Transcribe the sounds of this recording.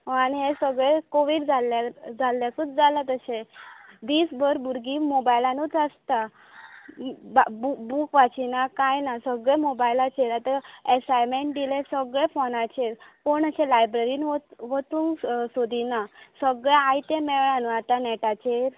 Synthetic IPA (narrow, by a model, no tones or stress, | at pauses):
ɦaniɦẽsəɡɭekoʋiːɽd͡zʱalad͡zʱalːjakut͡sd͡zalat̪əsẽd̪iːsbʱəɾbuɾɡimobajlanuːt̪əst̪a | bbubukʋat͡ɕinakajnasəɡɭemobajlat͡ɕeɾat̪əesajmeɳʈd̪ilẽsəɡɭefonat͡ɕeɾkoɳəɕelajbɾeɾiːnoʋət̪uːŋɡsod̪ʱinasəɡɭeajt̪emɛʋɭãnuat̪anɛʈat͡ɕeɾ